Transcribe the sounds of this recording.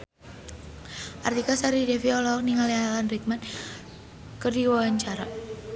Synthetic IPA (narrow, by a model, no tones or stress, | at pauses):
ʔart̪ikasaɾidefiɔlɔɔk̚niŋalialanrik̚mat̪ | kərdiwawaɲt͡ʃaɾa